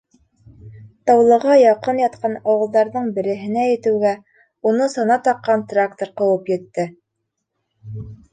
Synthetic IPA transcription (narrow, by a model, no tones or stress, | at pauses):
t̪ɑwlˠɤ̆ʁɑjɑqɤnjɑt̪̚qʰɑnɑwɤ̆lˠd̪ɑɾðɤɴbɘ̆ɾɘ̆ɦɘ̆næjɘ̆t̪ɘ̆wɡæ | unɤsɑnɑt̪ɑqːɑnt̪rakt̪oɾqɤ̆wɤpjɘ̆t̪ːɘ